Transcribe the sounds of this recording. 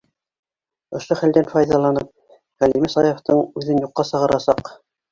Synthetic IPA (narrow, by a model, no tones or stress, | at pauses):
ŏʃoχæld̪ænfɑjðɑlˠɑnɤp̚ | ʁælimɘsɑjŏft̪ɤɴʉðɘnjuqːɑsɤ̆ʁɤ̆ɾɑsɑq